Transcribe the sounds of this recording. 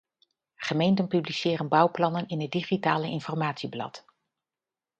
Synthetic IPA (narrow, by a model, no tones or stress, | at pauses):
χəmejntənpyblisɪːrənbʌwplɑnənɪnɦəd̚iχitaːləɪnfɔɹmaːtsiblɑ̰t